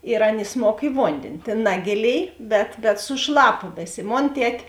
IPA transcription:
ɪr ˈɐn ɪsˈmoːk ɪ ˈʋoːnʲdʲeːnʲɪ ˈtʲeːn ˈnɑːɡʲeːˌlʲeːɪ bʲɛt bʲɛt sʊˈʃlˠɑːpɐ ˈbɐɪsʲæː ˈmoːn ˈtʲɛtʲ

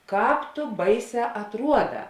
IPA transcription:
ˈkɑːp tʊ ˈbɐɪˌsʲɛː ɐtˈruɔˌdɑː

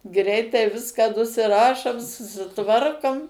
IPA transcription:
ˈɡrʲɛɪtɐɪ ˈʋʲɪskɐ nʊsʲɪˈrɑːʃoːm sʊsʲɪˈtʋɐrkoːm

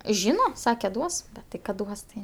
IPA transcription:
ˈʒʲiːnɐ ˈsɑːkʲɛ ˈduɔs tʲɪk ˈkɐt ˈduɔs tɐɪ

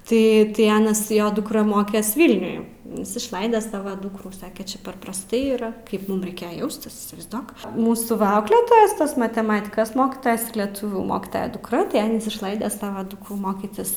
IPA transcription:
ˈtɐɪ tɐɪ ˈɑːnɐs ˈjoː dʊkˈrɐ ˈmoːkʲɛs ˈʋʲiːlʲnʲʊj ˈjɪs ɪʃˈlˠɐɪdɐ ˈsɑːʋoː ˈdʊkruː ˈsɑːkʲɛ ˈt͡ʃʲɛ pʲɛr prɐsˈtɐɪ iːˈrɐ ˈkɐɪp ˈmʊm rʲɛɪˈkʲeːjɛ ˈjɛʊsʲtʲɪs iːsʲɪʋɐɪzˈduɔk ˈmuːsuː ˈʋɐ ˈɐʊklʲeːtoːjɛs ˈtɐs mɐtʲɛˈmɑːtʲɪkɐs ˈmoːkʲɪtoːjɛs ɪr lʲiɛˈtʊʋʲuː ˈmoːkʲɪtɐjɛ dʊkˈrɐ tɐɪ ˈɑːnʲiːs ɪʃˈlˠɐɪdʲɛ ˈsɑːʋɐ ˈdʊkruː ˈmoːkʲɪtʲɪs

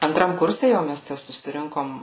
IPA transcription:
ɐnˈtrɐm ˈkʊrʲsʲɛ ˈjɛʊ mʲɛs ˈtʲæ sʊsʲɪˈrʲɪŋkoːm

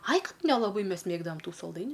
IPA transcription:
ɐɪ ˈkɐt nʲɛlˠɐˈbɐɪ ˈmʲɛs ˈmʲeːɡdɐʋɐm ˈtuː sɐlˠˈdɐɪnʲʊ

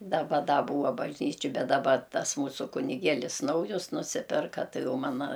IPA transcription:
dɐˈbɐ ˈdɐ ˈbuːɐ bɐʒʲˈnʲiːt͡ʃʲoː ˈbʲɛt dɐˈbɐ ˈtɐs ˈmuːsʊ kʊnʲɪˈɡʲeːlʲɪs ˈnɐʊjʊs nʊˈsʲɪpʲɪrkɐ ˈtɐɪ ˈjɛʊ mɐˈnɐ

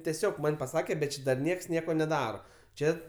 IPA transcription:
tʲɛˈsʲoːk ˈmɐnʲ pɐˈsɑːkʲɛ bʲɛt ˈt͡ʃʲɪ dɐr ˈnʲiɛks ˈnʲiɛkoː nʲɛˈdɑːroː ˈt͡ʃʲɛ

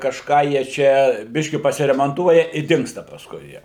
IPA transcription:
kɐʃˈkɑː jiɛ ˈt͡ʃʲɛ ˈbʲɪʃʲkʲɪ pɐsʲɪrʲɛmɐnˈtuɔjɛ ɪ ˈdʲɪŋkstɐ pɐsˈkʊɪ ˈjiɛ

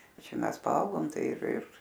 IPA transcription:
ˈt͡ʃʲɛ ˈmʲɛs pɐˈɐʊɡoːm ˈtɐɪ ɪr ɪr

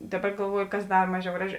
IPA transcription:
ˈdɑːˌbɐ ɡɐlˠˈʋuɔjʊ kɐs ˈdɐr ˈmɑːˌʒʲɛʊ ˈɡrɑːˌʒʲɪ

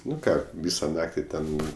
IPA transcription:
ˈnʊ ˈkɑː ˈʋʲiːsɐ ˈnɑːktʲɪ ˈtʲɛn

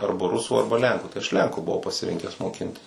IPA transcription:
ˈɐrbɐ rʊsʊ ˈɐrbɐ ˈlʲɛŋkʊ tɐɪ ɐʃ ˈlʲɛŋkʊ bʊˈʋɐʊ pɐsʲɪˈrʲɪŋʲkʲæːs moːˈkʲɪnʲtʲɪs

